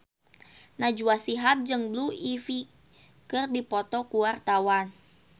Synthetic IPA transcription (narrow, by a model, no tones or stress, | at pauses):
nad͡ʒuasiɦap̚d͡ʒɨŋbluifi | kɨrdipɔt̪ɔkuwart̪awan